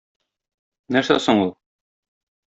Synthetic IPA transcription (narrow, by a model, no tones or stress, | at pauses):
næsæ̰soɴulˠ